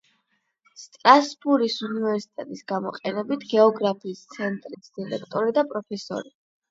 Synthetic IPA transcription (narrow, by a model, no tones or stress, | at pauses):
st̪ʼɾasbuɾisunivɛɾsi̥t̪ʼɛt̪ʼisɡamɔqʼɛnɛbit̪ʰɡɛɔɡɾapʰiːst̪sʰɛnt̪ʼɾisd̪̥iɾɛkʰt̪ʼɔɾid̪apʼɾɔpʰɛsɔ̰ɾi